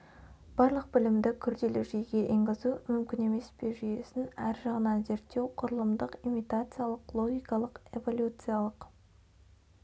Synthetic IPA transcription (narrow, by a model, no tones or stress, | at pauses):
b̥ɑɾlˠəq̚bɪlɪmd̪ɪkʲʰʏɾd̪e̞lɪʒejɡʲe̞ʔiŋɡʲɪzumʏmkʲɪne̞me̞sbe̞ʒʏje̞sɪnæɾʒɑʁənɑnze̞ɾt̪ːe̞wqʰʊɾəlˠəmd̪əqimijt̪at̪sɨjalˠəqlˠo̞ɡʲijkɑlˠəqe̞vo̞lʲjut̪sɨjalˠəq